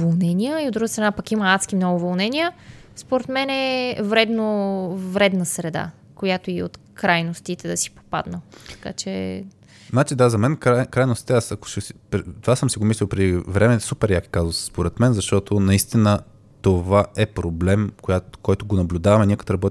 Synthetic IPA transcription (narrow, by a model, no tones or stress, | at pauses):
volˠnɛnʲijəiod̪ɾuɡəst̪ɾɐnapɐkimɐnat̪skimnɔɡʊvolˠnɛniə | spoɾɛt̪mɛnɛvɾɛd̪novɾɛd̪nəsɾɛd̪a̰ | kojat̪oiot̪ | kɾajnost̪it̪ɛd̪ɐsi̥po̥pa̰d̪nət̪ɐ̥ka̰t͡ʃɛ̰ | znat͡ʃid̪azɐmɛnkɾajkɾajnost̪it̪ɛasɐko̥ʃsipɾt̪ovasəmsiɡomislʲilˠpɾɛd̪ivɾɛmɛsupɛɾjaki̥kazosspoɾɛt̪mɛnzɐʃt̪ɔt̪ʰonɐist̪inə | t̪ovaɛpɾoblɛmkojakɔjt̪oɡonɐblʲud̪avɐmɛniəkɐt̪ɾɐbɔt̪